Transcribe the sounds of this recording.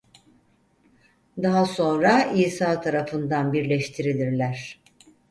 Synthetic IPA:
d̪aɦaso̞nɾaiːsaːt̪ʰaɾafɯnd̪anbiɾlʲɛʃt̪ʰiɾilʲiɾlʲæɾ̝̥

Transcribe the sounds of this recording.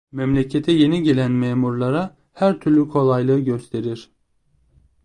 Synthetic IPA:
mɛmlʲecʰet̪ʰɛje̞niɟe̞lʲænmeːmuɾlˠaɾa | hæɾt̪ʰyɾlʲykʰo̞lˠajlˠɯɯɟø̞st̪ʰe̞ɾiɾ̥

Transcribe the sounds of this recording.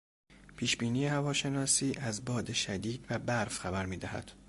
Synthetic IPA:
pʰiːʃbiːniːehævɒːʃe̞nɒːsiːʔæzbɒːd̪e̞ʃæd̪iːd̪væbæɾfxæbæɾmiːd̪æhæ̰d̪̥

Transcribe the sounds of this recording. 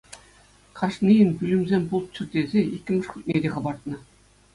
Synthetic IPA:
kʰɑʂnijɘnbʲylʲɘ̆mʲzʲenʲbulˠt̪̚t͡ɕɘ̆rd̪ʲezʲeikʲːɘ̆mʲɘ̆ʂkʲut̪ʲnʲed̪ʲeχɤ̆bɑrt̪̚nɤ̆

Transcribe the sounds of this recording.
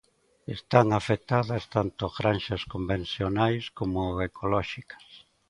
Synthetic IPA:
est̪aŋafet̪aðɐst̪ant̪ʊɣɾanʃɐskombẽnθjonajskomoekʰolɔʃikɐ̥s

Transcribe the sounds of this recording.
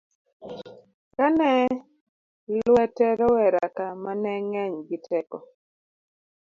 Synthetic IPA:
kanɛ | lwɛtɛɾɔwɛɾakamanɛŋɛɲɡitʰɛkɔ̰

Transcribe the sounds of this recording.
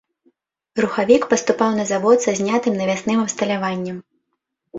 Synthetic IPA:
ruxavʲikpɐst̪upawnɐzavɔt̪sazʲnʲat̪ɨmnɐvʲasnɨmɐpst̪ɐlʲavanʲːɐm

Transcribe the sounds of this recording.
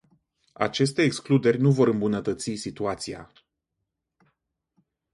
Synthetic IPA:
a̰t͡ʃe̞st̪e̞ːksklud̪e̞rʲnuvo̞ɾɨmbunət̪ət̪sisit̪uat̪sia̰

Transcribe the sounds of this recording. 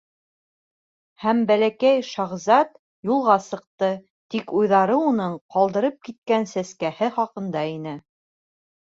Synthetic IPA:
hæmbælækæjʃɑʁzɑt̪ | julˠʁɑsɤ̆q̚t̪ɤ | t̪ikujðɑɾɤunɤɴqɑlˠd̪ɤ̆ɾɤp̚kit̪̚kænsæskæhɘχɑqɤ̆nd̪ɑinɘ

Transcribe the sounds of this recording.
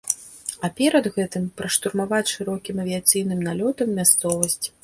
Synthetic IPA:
ɐpʲɛɾɐd̪ɣɛt̪ɨmpɾɐʂt̪urmavat͡sʲʂɨɾɔkʲimɐvʲiat̪sɨjn̪ɨmnalʲɔt̪ɐmːʲast̪sɔvɐsʲt͡sʲ

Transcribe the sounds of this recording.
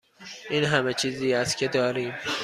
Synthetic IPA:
ʔiːnɦæmet͡ʃʰiːziːæst̪kʰed̪ɒːɾiːm

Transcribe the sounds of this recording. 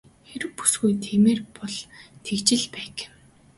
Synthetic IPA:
xeɾɘ̆wpu̥sɡujt̪ʰeːmeːrpɔɮt̪ʰekt͡ɕɪ̆ɮpæːk

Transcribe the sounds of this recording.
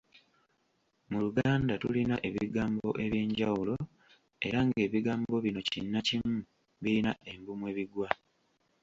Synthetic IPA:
muluɡaːndatulinaʔe̞βiɡaːmbo̞ʔe̞βje̞ːɲɟawulo̞ | e̞̰ɾaŋɡe̞ːβiɡaːmbo̞βino̞cinːacimu | βilinaʔe̞mbumwe̞ːβiɡwa

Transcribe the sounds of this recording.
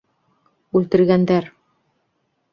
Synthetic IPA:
ʉlt̪ɘ̆ɾɡænd̪æɾ

